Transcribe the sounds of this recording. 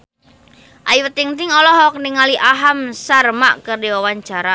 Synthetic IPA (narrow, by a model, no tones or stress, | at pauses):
ʔajwət̪iŋt̪ɪŋɔlɔɦɔk̚niŋaliʔaɦamsarmaʔkərdiwawaɲt͡ʃaɾa